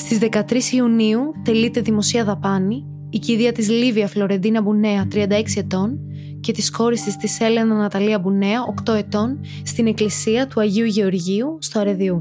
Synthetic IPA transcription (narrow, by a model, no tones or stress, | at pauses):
st̪izðe̞kɐt̪ɾisiuniut̪e̞lit̪e̞ðimo̞siɐðɐpɐniː | ciðiɐt̪izliviɐflo̞ɾe̞nd̪inɐbune̞ɐt̪ɾiɐnd̪ɐeksie̞t̪o̞n | ce̞t̪isko̞ɾisist̪ise̞le̞nɐnɐt̪ɐliɐbune̞ɐo̞kt̪o̞e̞t̪o̞n | st̪ine̞klisiɐt̪uɐʝiuʝe̞o̞ɾʝiust̪oɐɾe̞ðiu